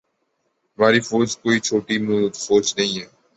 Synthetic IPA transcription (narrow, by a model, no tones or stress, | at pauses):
maːɾiːfoːd͡ʒkoːit͡ʃʰoːʈimuːd̪foːd͡ʒnɐɦĩɦɛː